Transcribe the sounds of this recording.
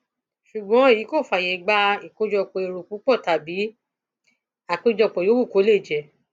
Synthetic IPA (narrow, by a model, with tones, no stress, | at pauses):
ʃu˨ɡ͡bɔ̃˨˦e˦˨ji˨˦ko˦˨fa˨jɛ˨˦ɡ͡ba˧i˨ko˧d͡ʒɔ˧k͡pɔ̃˧˨e˨ɾo˨k͡pu˨˦k͡pɔ˦˨ta˨bi˨˦ | a˨k͡pe˧d͡ʒɔ˧k͡pɔ˨jo˨˦wu˦˨ko˨˦le˦˨d͡ʒɛ˨